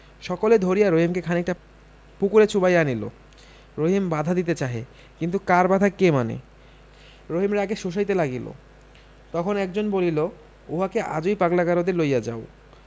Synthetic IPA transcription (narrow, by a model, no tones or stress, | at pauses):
ʃɔkoled̪ʱoɾijaɾoɦimkekʰaneɛkʈa | pukuɾet͡ɕʰubajanilo̰ | ɾoɦimbad̪ʱad̪it̪et͡ɕaɦḛ | kint̪ukaɾbad̪ʱakemanḛ | ɾoɦimɾaɛɡeʃoʃ̬ajt̪elaɡilo̰ | t̪ɔkʰonɛk̚d͡ʑonbolilo | oɦakeʔa̰d͡ʑojpaɡlakaɾod̪eɾlojad͡ʑa̰o